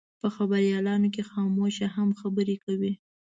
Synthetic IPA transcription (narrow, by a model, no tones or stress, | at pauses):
pəxabaɾjɑlɑnok̬exɑmoʃahamxabəɾekawi